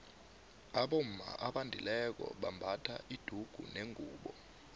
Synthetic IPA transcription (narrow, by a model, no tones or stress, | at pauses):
aɓom̩ma̰ʔaɓandʱilɛk̬ɔ̰ɓambʱatʰaʔid̥ʱuɡ̥ʱṵneŋʱuːɓɔ